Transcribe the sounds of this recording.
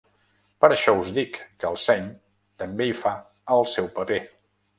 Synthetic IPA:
pəɾəʃɔuzðikːəlˠsɛɲ | t̪əmbeifa | əlˠsɛwpəpe

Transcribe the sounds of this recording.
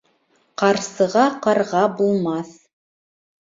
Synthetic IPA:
qɑɾsɤ̆ʁɑqɑɾʁɑbulˠmɑθ

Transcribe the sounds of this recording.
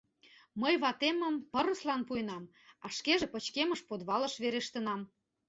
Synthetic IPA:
məjβɑt̪emə̆mpɤ̆ɾə̆slɑnpuenɑm | ɑʃkeʒepə̆t͡ɕkemə̆ʃpod̪βɑlə̆ʃβeɾeʃt̪ənɑm

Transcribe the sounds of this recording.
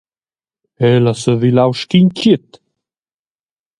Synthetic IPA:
ɛlasəðilawʃkiɲcit̪

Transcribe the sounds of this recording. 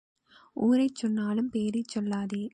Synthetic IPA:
uːɾɐɪt͡ʃːɔnːaːlɯmpeːɾɐt͡ʃːɔlːaːðeː

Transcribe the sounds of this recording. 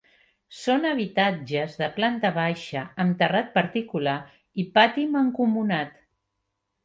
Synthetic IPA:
sonəβit̪ad͡ʒəzðəplant̪əβ̞aʃəːmt̪ərat̪̚pəɾt̪ikula | ipat̪iməŋkumunat̪

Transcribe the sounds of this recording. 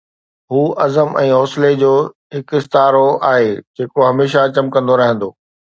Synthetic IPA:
ɦuːɐzəmɛ̃ːɦɔːsled͡ʑoː | ɦɪkɪst̪aːɾoaːɦeːd͡ʑʱeːkoɦɐmeːʃat͡ɕɐmkɐ̃nd̪oɾɐɦə̃nd̪oː

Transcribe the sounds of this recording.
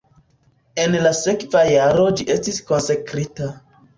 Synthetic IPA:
e̞nlase̞kvajaɾo̞d͡ʒiʔe̞stisko̞nsekɾita

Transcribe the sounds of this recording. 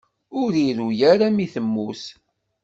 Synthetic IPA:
ʊɾiɾujæɾamiθəmːus

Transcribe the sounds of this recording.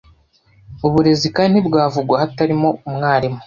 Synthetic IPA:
uβuɾe̞zikaːnibɡaːvuɡwahataɾimo̞umŋaːɾimu

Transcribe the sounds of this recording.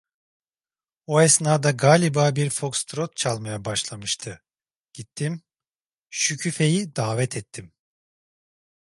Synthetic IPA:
oɛsnaːd̪aɡaːlʲibaːbiɾfo̞kst̪ɾot̪̚t͡ʃʰalˠmajabaʃlˠamɯʃt̪ʰɯ | ɟ̥it̪ʰːim | ʃycʰyfe̞jid̪aːvɛt̪ʰɛt̪ʰːim

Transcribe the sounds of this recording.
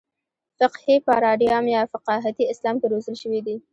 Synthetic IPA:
fɪqhipəɾɑɖjɑmjɑfaqɑɦat̪iɪslɑmkeɾozəlʃəwid̪i

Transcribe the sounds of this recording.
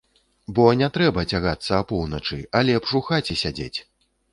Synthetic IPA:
bɔnʲɛt̪ɾɛbɐt͡sʲaɣat̪sːɐːpɔwnɐt͡ʂɨalʲɛpʂuxat͡sʲisʲad͡zʲḛt͡sʲ

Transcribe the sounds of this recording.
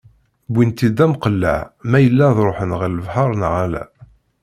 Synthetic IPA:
bint̪id̪æmqəlːæ̰ʕmæjəlːæðɾˤoħənʁəɾləvħɑɾˤnəʁælæ̰

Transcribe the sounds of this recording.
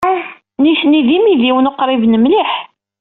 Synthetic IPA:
niθniðimiðiwnəqːɾˤivnəmliħ

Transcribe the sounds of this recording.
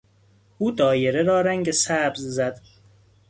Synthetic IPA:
uːd̪ɒːjeɾeɾɒːɾæŋɟesæbzzæd̪

